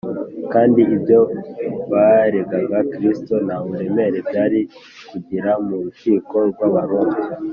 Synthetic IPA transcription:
kaːndiibjo̞βaɾeɡaɡakɾisto̞namuɾeme̞ɾe̞bɟaɾi | kuɟiɾamuɾuʃiːko̞ɾɡwaβaɾoːŋ

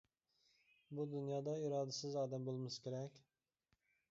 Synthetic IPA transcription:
bud̪unjɑːd̪ɑiɾɑːd̪ɪsɪzɑːd̪ɛmbolˠmɨskʲʰeɾɛkʲ

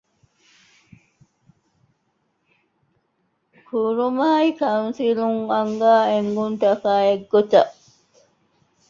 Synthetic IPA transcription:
kʰuɾumaːikɐwunsiluŋɐŋɡaːeŋɡunt̪ɐkaːeɡːot͡ʃːɐʔ

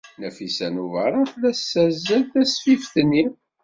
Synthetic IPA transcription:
næfisænuvəɾˤɑθlæsːæzəlθæsfifθnːi

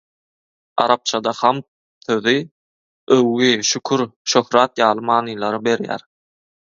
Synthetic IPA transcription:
ɑ̰ɾɑp̚t͡ʃʰɑd̪ɑχɑmt̪̚ | θøði | ɵwːiʃykʰyɾʃøxɾɑːt̪jɑːlˠɯmɑːnɯlˠɑɾɯbe̞ɾjæ̰ɾ

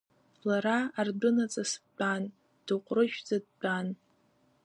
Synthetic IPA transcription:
laɾaːrbɨnat͡sʼasbʼan | d̥ɨqʷʼrɨʃᶣd͡zad̚ban

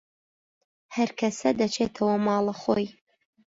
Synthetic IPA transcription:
hɐɾkʰɐsɐd̪ɐt͡ʃʰeːt̪ʰɐwɐmɑːlˠɐχo̰ːj

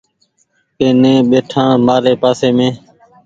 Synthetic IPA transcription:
keːnẽːɓeːʈʰãːmaːɾeːpaːseːmẽː

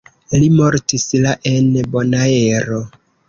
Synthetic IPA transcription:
limoɾtislaʔenbonaeɾo

